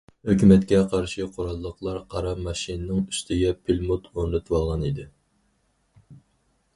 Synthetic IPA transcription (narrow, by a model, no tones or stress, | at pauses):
høkʲymɛt̪kʲɛqʰɑɾʃɨqʰoɾɑlˠːəqlˠɑɾqʰɑɾɑmɑʃinnɨŋyst̪ʰɪɡʲɛpʰilmut̪ʰoŋlɨt̪ʰwɑlˠʁɑnid̪ɪ